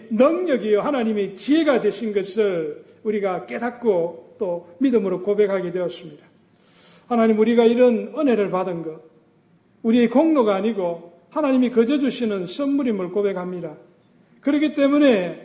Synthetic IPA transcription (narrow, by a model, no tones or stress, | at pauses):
nʌŋɲʌɡijʌhanaɲimet͡ɕie̞ɡadwe̞ɕʰinɡʌsʰɯɭ | uɾiɡak͈e̞dak̚k͈ot̪͈omidɯmɯɾokobe̞k̚haɡedwe̞ʌs͈ɯmɲida | hanaɲimuɾiɡaiɾʌnɯne̞ɾɯɭpadɯnɡʌ | uɾie̞koŋnoɡaːɲiɡo | hanaɲimikʌd͡ʑʌd͡ʑuɕʰinɯnsʰɯnmuɾimɯɭkobe̞khamɲida | kɯɾʌkʰit͈e̞mune̞